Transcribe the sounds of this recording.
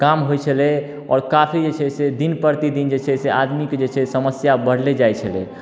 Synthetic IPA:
kamɦojt͡ʃʰəlɛ | ɔ̰ːɾkapʰid͡ʒet͡ʃʰɛsed̪inpəɾt̪id̪ind͡ʒet͡ʃʰɛsead̪mikd͡ʒet͡ʃʰɛsəməsjabəɽ̤led͡ʒajt͡ʃʰəlɛ̰

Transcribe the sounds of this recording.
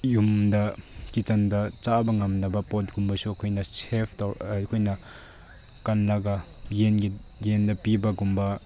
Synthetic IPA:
jumdakit͡ʃandat͡ʃabɐŋamnɐbɐpɔt̚ɡumbasukʰɔjnasepʰdawkʰɔjna | kanlaɡa | jenɡijendapibaɡumba

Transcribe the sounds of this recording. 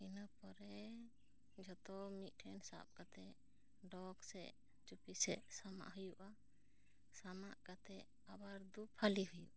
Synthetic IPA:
inapɔɾɛ | d͡ʒɔt̪ɔmit̪̚ˀʈʰɛnsa̰p̚kat̪ɛ | ɖɔɡsɛ | t͡ʃupisɛ̰ʔsama̰ʔɦujuʔa | samaʔkat̪ɛ | abaɾd̪upʰaliɦujṵʔ

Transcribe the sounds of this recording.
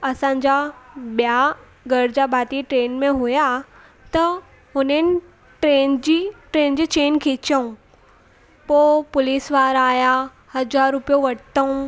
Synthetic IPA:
ɐsãːɲd͡ʑaɓija | ɡɐɾd͡ʑabʱaːt̪iʈɾeːnmẽɦuja | t̪ɐ | ɦʊnənɪ̆ | ʈɾeːnd͡ʑiʈɾeːnd͡ʑit͡ɕeːnkʰɪt͡ɕəũ | poːpʊliːsʋaːɾaːja | hɐzaːɾːʊpijoʋɐʈt̪əũ

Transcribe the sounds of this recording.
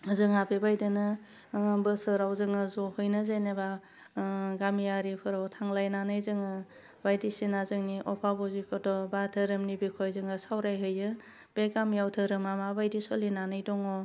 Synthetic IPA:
ɯzɯŋapʰibajdɯnɯ | bɯsɯɾawzɯŋɯzɔhɯjnɯzajneba | ɡamjaɾipʰɯɾawtʰaŋlajnanɯjzɯŋɯ | bajdisinazɯŋniʔɔpʰabɔzikʰɔdɔbatʰɯɾɯmnibikʰɔjzɯŋɯsawɾajɦɯjɯ | b̥eɡamjawtʰɯɾɯmamabajdisɔlinanɯjdɔŋɔ

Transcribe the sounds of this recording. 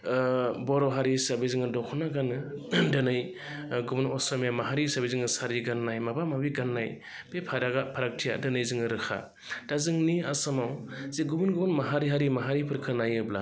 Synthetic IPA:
bɔɾɔɦaɾisabizɯŋɯdɔkʰɔnaɡanɯdɯnɯj | ɡubunɔsamjamaɦaɾisabizɯŋɯsaɾiɡanːajmabamabiɡanːaj | bepʰaɾaɡapʰaɾak̚tʰija̰dɯnɯjzɯŋɯɾɯkʰa̰ | d̥azɯŋniasamawziɡubunɡubunmaɦaɾiɦaɾimaɦaɾipʰɯɾkʰɯnajɯbla̰

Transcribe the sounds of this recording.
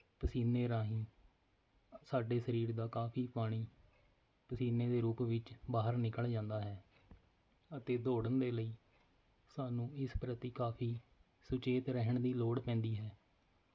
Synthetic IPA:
pəsiːneːɾaːɦĩː | saːɖeːsəɾiːɾd̪aːkaːpʰiːpaːɽ̃iː | pəsiːneːd̪eːɾuːpʋɪt͡ʃbaːɦəɾnɪkəld͡ʒãːnd̪aːɦɛː | ət̪eːd̪oːɽənd̪eːləiː | saːnũːɪspɾət̪iːkaːpʰiː | sʊt͡ʃeːt̪ɾɛɦəɳd̪iːloːɽpɛ̃ːnd̪iːɦɛː

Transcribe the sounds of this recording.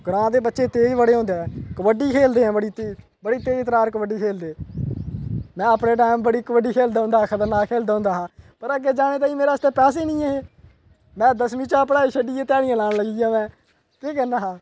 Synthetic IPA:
ɡɽãːd̪eːbətːʃeːt̪eːiʋəɽeːɦõːnd̪eːɛːkəʋəɖiːkʰeːld̪eːãːbəɽiːt̪iː | bəɽiːt̪eːit̪ɾaːɾkəʋəɖiːkʰeːld̪eː | mɛ̃ːəpɽeːʈ̬aːɪmbəɽiːkʋəɖiːkʰeːld̪aːɦʊ̃nd̪aːakʰət̪əɾnaːkʰeːld̪aːɦʊ̃ːnd̪aːɦãːpəɾəɡeːd͡ʒaːneːt̪̬aːĩːmeːɾaːst̪eːpɛːseːnĩːeːɦeː | mɛ̃ːd̪əsmiːt͡ʃaːpəɽaːiːʃʰəɖiːeːt̪aːɽijãːlaːɽləɡiːjãːmɛ̃ː | kiːkɛːnːaːɦãː

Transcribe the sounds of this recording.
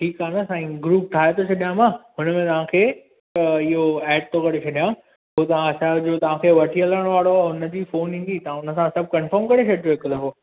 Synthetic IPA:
ʈʰiːkaːnɐsãːĩɡɾuːp̚ʈʰaːɦet̪ʰot͡ɕʰɐɗijãmãɦʊnəmẽt̪ɐʋ̤ãkʰeː | ɪɦoɛːɖ̚t̪okɐɽet͡ɕʰɐɗijã | ɦot̪ɐʋ̤ãɐsad͡ʑoːt̪ɐʋ̤ãkʰeːʋɐʈʰiələəɽ̃oʋaːɽoɦʊnə̆d͡ʑiːfoːnɦĩːn̆d̪it̪ɐãʊnəsãsɐb̚ʱkɐ̃nfəɾmkɐɾet͡ɕʰɐɽjoɦɪkəlɐ̃ɦoː

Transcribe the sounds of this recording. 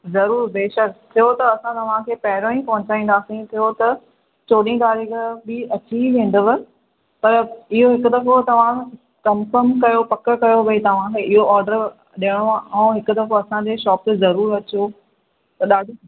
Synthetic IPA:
zɐɾuːɾbeːʃɐk̚t̪ʰɪjot̪ɐɐsãt̪ɐʋ̤ãkʰeːpɐɦɪɾõːĩpɐ̃ɦʊ̃t͡ɕaːĩːn̆d̪aːsĩt̪ʰijot̪ɐ | t͡ɕoːɗĩd̪aːɾiɡəbɪɐt͡ɕiʋẽːn̆d̪əʋə | pɐɾɪɦoɦɪkʊd̪ɐfot̪ɐʋ̤ã | kɐmkəmkɐjopɐkəkɐjobɐit̪ɐʋ̤ãkʰeːʔɪɦoɔːɾɖəɾ | ɗiəɽ̃oãːũɦɪkʊd̪ɐfoɐsãɲd͡ʑeʃɔːp̚zɐɾuːɾɐt͡ɕo | t̪ɐɗaːɖʱ

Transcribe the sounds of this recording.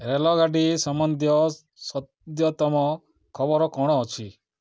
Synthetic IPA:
ɾelɔɡaɖisɔmɔnd̪ʱjɔ | sɔt̪jɔt̪ɔmɔ | kʰɔbɔɾɔkɔɽ̃ɔːt͡ʃʰi

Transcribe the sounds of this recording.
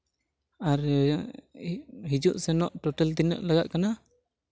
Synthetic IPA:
aɾ | ɦid͡ʒuʔsɛnɔʔʈɔʈɛlt̪inɔ̰ʔlaɡaʔ̪̚kana

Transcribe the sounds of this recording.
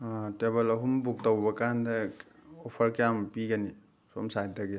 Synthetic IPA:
atebelɐɦumbuk̚tawbɐkandeɔpʰɐɾkijampiɡani | sɔmsajtaɡi

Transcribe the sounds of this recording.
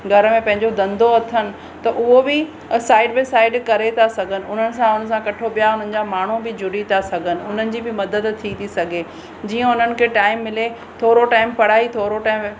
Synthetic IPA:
ɡʱɐɾəmẽpɐ̃ɦɪ̃ɲd͡ʑod̪ɐ̃nd̪oɐt̪ʰənɪ̆ | t̪ɐʔʊɦobɪ | saːɪɖbɪsaːɪɖkɐɾet̪ʰasɐɡʱənɪ̆ʊn̤ənɪ̆sãʊnə̆sãkɐʈʰoɓijaʊn̤ənɪ̆d͡ʑaːmaːɳ̤ubɪd͡ʑʱʊɽit̪ʰasɐɡʱənɪ̆ʊn̤ənɪ̆d͡ʑibɪmɐd̪əd̪t̪ʰit̪ʰisɐɡʱe | d͡ʑiːə̃ʊn̤ənɪ̆kʰeːʈaːɪmːɪle | t̪ʰoːɾoʈaːɪmpɐɽ̤aːit̪ʰoːɾoʈaːɪm

